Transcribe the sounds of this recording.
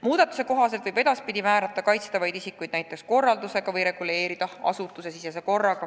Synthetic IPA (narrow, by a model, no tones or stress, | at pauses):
muːd̪̥ɑt̪ːˑu̥se̞ko̞ɦɑse̞lt̪vɯbe̞d̪̥ɑspid̪ʲimæːɾɑt̪ˑːɑkɑjt̪st̪ɑvɑjd̪isikːˑujd̪næjt̪ːˑe̞ksko̞rːɑld̪use̞ɡ̥ɑvɤjɾe̞ɡ̥ule̞ːɾid̪̥ɑɑ̰sut̪ːˑuse̞sises̬e̞ko̞rːɑɡ̥ɑ